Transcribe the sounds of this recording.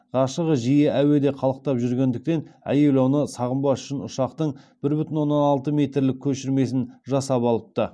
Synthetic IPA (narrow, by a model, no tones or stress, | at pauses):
ʁɑʃəʁəʒijeʔæwe̞d̪e̞qʰɑlˠəq̚t̪ɑpʒʏɾɡʲe̞nd̪ɪk̚t̪e̞næ̰je̞lɑwnəsɑʁəmbɑsʏ̥ʃɪnʊʃɑqt̪əɴb̥ɪɾbʏt̪ɪnwo̞nːɑnɑlˠt̪əmʲe̞t̪rlɪkʲʰːɵʃɪɾme̞sɪnʒɑsɑpɑlˠəp̚t̪ə